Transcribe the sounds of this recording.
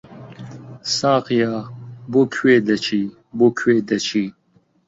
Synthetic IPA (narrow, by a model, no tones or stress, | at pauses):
sãːqijaːbokʰweːd̪ɐt͡ʃʰi | boːkʰweːd̪ɐt͡ʃʰiː